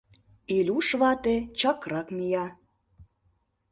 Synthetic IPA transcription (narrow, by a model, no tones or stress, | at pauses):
ilʲuʃβɑt̪et͡ɕəkrəkmijɑ